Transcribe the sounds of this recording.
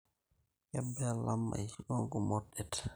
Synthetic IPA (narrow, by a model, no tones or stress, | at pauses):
jɛbːɛlamːa̰jiɗɔŋkɔmɔɗɛt